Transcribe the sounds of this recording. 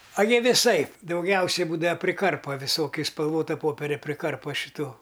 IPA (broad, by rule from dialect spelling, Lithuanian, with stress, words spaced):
ɐ jiɛ ʋʲɪˈsɐɪp dɐʊˈɡʲɛʊsʲɛɪ ˈbuːdɐ pʲrʲɪˈkɐrpɐ ʋʲɪˈsoːkʲʊ ɪʃ spɐlˠˈʋoːtɐ ˈpoːpʲɛrʲɛ pʲrʲɪˈkɐrpɐ ʃʲɪˈtuː